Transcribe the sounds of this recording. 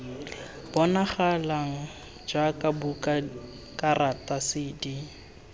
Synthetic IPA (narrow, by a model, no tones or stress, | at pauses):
b̥ɔnaχalaŋ̩ | d͡ʒakʼabukʼa | kʼaratʼasɪːdi